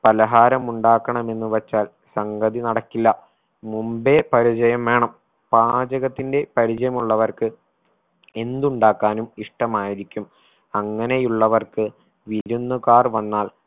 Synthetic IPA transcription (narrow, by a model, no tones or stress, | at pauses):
pɐlɐɦaːɾɐmuɳɖaːkːɐɳɐme̞nːuʋɐt͡ɕːaːl | sɐŋɡɐðinɐɽɐkːilːɐ | mumbe̞pɐɾit͡ɕɐjɐmʋe̞ːɳɐm | paːd͡ʑɐɣɐt̪ːinde̞pɐɾit͡ɕɐjɐmuɭːɐʋɐrkɨ | e̞nd̪uɳɖaːkːaːnumiʂʈɐmaːjiɾikʲːum | ɐŋːɐne̞juɭːɐʋɐrkɨ | ʋiɾunːukaːrʋɐnːaːl